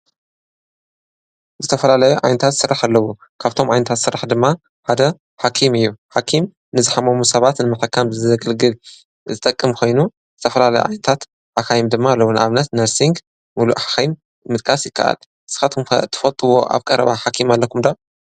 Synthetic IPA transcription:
zɨt̪ʰɐfɐlalɐjuʕa̰jnɐt̪ʰat̪sɨrːaħalːɐwu | kʰaβt̪ʰo̞mʕajnɐt̪ʰat̪sɨɾːaħd̪ɨmːa | ħad̪ɐ | ħakʰimɨjːuħakʰim | nɨzɨħamɐmusɐβat̪nɨmɐħɐkːamɨzɐɡɨlɡɨl | zɨt̪ʼɐkʼːɨmkʰo̞jnu | zɨt̪ʰɐfɐlalɐjṵʕa̰jnɐt̪ʰat̪ | ʔakajimd̪ɨmːalːɐwunɨʔaβnɐt̪nɐɾsiŋɡ | muluʔħḁxajm | mɨt̪̚kʰʼasjɪkʰːa̰ʔa̰lʔɨsɨxat̪kum̰t̪ʰːɨ̥fɐlt̪ʼːɨwo̞̰ʔa̰βkʼɐɾɐ̰βaħakʰimalːɐkʰumd̪a

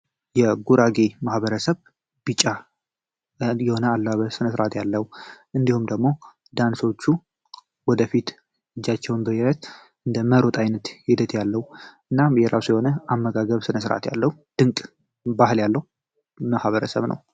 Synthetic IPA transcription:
jɛɡuɾaɡemahβəɾəsəβ | b̥it͡ʃʼːa | jɛho̞nəalːβəsɨnəsɾʔat̪jalːəhuʔɨnd̪ihumd̪əɡmo̞ | d̪anso̞t͡ʃːu | wɔd̪əfit̪ | ɨd͡ʒːat͡ʃːɛwnbəjɛɾət̪ | ʔɨnd̪əməɾo̞t̪ʼajnət̪hid̪ət̪jalːəhuʔɨnːajɛɾasujɛho̞nəʔamːəɡaɡəβsɨnəsɾʔa̰t̪ja̰lːəhud̪̥ɨŋkʼ | bahɨljalːəhu | mahβəɾəsə̰βnə̰w

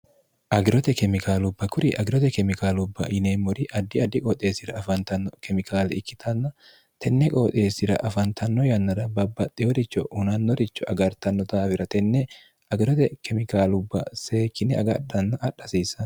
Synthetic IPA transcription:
ʔɐɡɪɾɔt̪ɛkɛmɪkʰaːlʊbːɐkʊɾɪʔɐɡɪɾɔt̪ɛkɛmɪkaːlʊbːɐ̰ʔɪneːmːɔɾɪʔɐd̪ːɪɐd̪ːɪkʼɔːt̪ʼe̞ːsɪɾɐːfɐnt̪ɐnːɔkɛmɪkʰaːlɛɪkːɪ̥t̪ʰɐnːɐ | t̪ʰɛnːɛkʼoːt̪ʼe̞ːsɪɾɐ̰ʔɐfɐnt̪ʰɐnːɔjɐnːɐɾɐbɐbːɐt̪ʼːɪjɔɾɪt͡ʃːɔ̰ʊnɐnːɔɾɪt͡ʃːɔʔɐɡɐɾt̪ɐnːɔt̪aːfɪɾɐt̪ɛnːɛ | ɐɡɪɾɔt̪ɛkɛmɪkaːlʊbːɐ̰se̞ːkːɪnɛɐ̰ɡɐᶑɐnːɐʔːᶑːɐsiːsːɐn

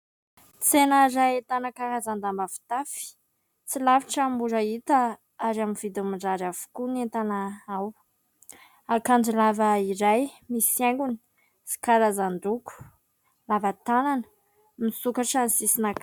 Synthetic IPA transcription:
t͡senaɾaet̪anəkaɾazand̪ambafi̥t̪afi̥ | t͡silaviʈ͡ʂambuɾait̪a | aɾaminvid̪umiɳɖ͡ʐaɾavu̥kunent̪anaaw | akand͡ʒilavəiɾajmiseŋɡuni̥ | si̥kaɾazand̪uku̥ | lavat̪ananə̥ | misukaʈ͡ʂanisisinak

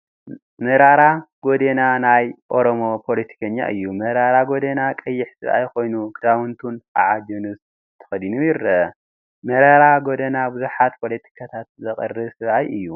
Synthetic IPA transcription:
mɐɾaɾaɡ̥o̞d̪enanajʔo̞ɾomo̞pʰo̞let̪ʰi̥kʰɐɲːa̰ʔɨjːumɐɾaɾaɡo̞d̪enakʼɐjːɪħsɨβʔa̰jkʰo̞jnukʰɨd̪awɨnt̪ʰuna̰ʕad͡ʒɐnus | t̪ʰːɐ̥xɐd̪inujɪɾɐ | mɐɾaɾaɡod̪enabɨzuħat̪pʰo̞let̪ʰi̥kʰat̪ʰat̪̚zɐχʼɨ̰rːɨsɨβʔajʔɨjːu

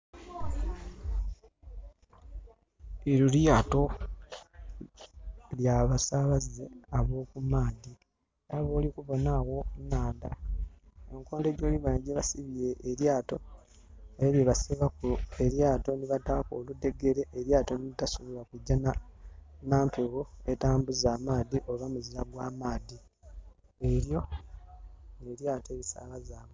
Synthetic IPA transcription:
eɾuljaːto̞ | ljaβasaβaze̞aβo̞ːkumaːdi | aβo̞ːlikuβo̞nawo̞naːnda | eŋko̞ːndeɟoːliβaneɟeβasiβijeʔːɾjaːto̞ | eɾaβeβasiβakue̞ɾjaːto̞niβatakoludːe̞ɡe̞ɾe̞ʔeɾjaːto̞niitasuβiwakuɟːana | naːmpeɣoetaːmbuzaːmaːdiʔoβamuzizaɡwaːmaːdi | eɾjo̞ | neɾjaːte̞ːβisa̰ːlazaːβo

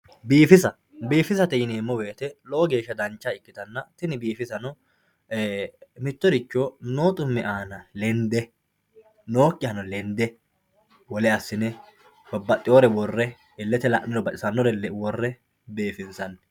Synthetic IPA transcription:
biːfɪsɐ | biːfɪsɐt̪ɛjɪneːmːɔwe̞ːt̪ɛlɔʔɔɡe̞ːʃːɐd̪ɐnt͡ʃːaɪkːɪt̪ɐnːɐt̪ɪnɪbiːfɪsɐnɔ | mɪt̪ːɔɾɪt͡ʃːoːno̞ːt̪ʼʊmːɛʔaːnɐlɛnd̪ɛ | noːkʼːɪhɐnɔlɛnd̪ɛ | wɔlɛɐsːɪnɛ | bɐbːɐt̪ʼːɪoːɾɛwɔrːɛ | ɪlːɛt̪ɛlɐʔnɪɾɔbɐt͡ʃʼɪsɐnːɔɾɛlwɔrːɛ | beːfɪnsɐnː

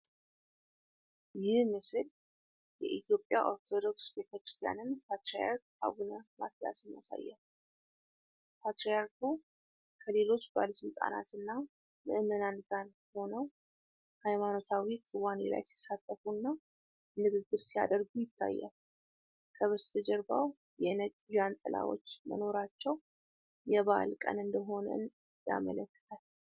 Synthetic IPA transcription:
jɪhhmɨsɨl | jɛ̰ʔit̪jo̞pʼːja̰ʔo̞ɾt̪ʰo̞d̪o̞ksbet̪ʰəkɾɨ̥st̪ʰija̰nɨnpʰat̪ɾija̰a̰ɾk̚ | a̰ɡunəma̰t̪ja̰sɨnja̰sa̰jːa̰l | pʰat̪ɾijaɾkʰu | kʰəle̞lo̞t͡ʃːbaləsɨlt̪ʼa̰na̰t̪ɨnːa | mɨ̰ʔɨmənanɡan | ho̞nəw | hajmano̞t̪ʰawikʰɨwanḛla̰jt̪ɛsat̪ʼːəfunːa | nɨɡɨɡːɨɾsija̰d̪əɾɡujɪt̪ʰːa̰jːa̰l | kʰəβəst̪ʰɨd͡ʒɛɾba̰w | jɛnəkʼʒant̪ʼɨla̰wo̞̰t͡ʃːmə̰no̞ɾat͡ʃːɛw | jɛβa̰lkʼə̰nɨnd̪əɦo̞nə̰n | ja̰mə̰ləkːə̥t̪ʰal

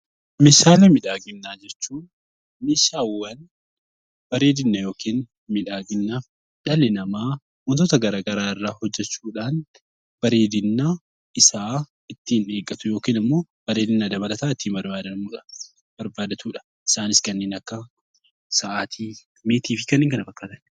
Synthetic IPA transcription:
mɪːʃaːlɛmɪᶑaːɡɪnːaːd͡ʒɛt͡ʃːuːn | meːʃaːwːɐn | b̥ɐɾeːd̪ɪnːɐjo̞ːkʰiːn | mɪᶑaːɡɪnːa | ᶑɐlɪnɐmaː | wɔnt̪oːt̪ɐɡɐɾaːɡɐɾaːɪrːaːhɔd͡ʒːɛt͡ʃːuːᶑaːn | b̥ɐɾe̞ːd̪ɪnːaː | ɪsaː | ɪt̪ːiːne̞ːɡːɐt̪ʊjo̞ːkiːnɪmːo̞ː | b̥ɐɾeːd̪ɪnːad̪ɐbɐlɐt̪aːɪt̪ːiːmbɐɾbaːd̪ɐuːᶑɐ | bɐɾbaːd̪ɐt̪uːᶑɐ̥ | ɪsaːnɪskɐnːeːnɐkːɐ | sɐʔaːt̪ʰiː | meːt̪iːfɪkɐnːɪːŋkɐnɐfɐkːaːt̪ɐn

